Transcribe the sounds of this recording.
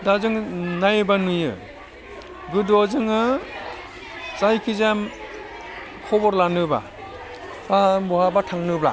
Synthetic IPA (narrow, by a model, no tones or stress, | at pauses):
dazɯŋnajɯbanujɯ̰ | ɡɯdɔzɯŋɯ | t͡ʃajkʰizam | kʰɔbɔɾlanɯba̰ | babɔhabatʰaŋnɯbla̰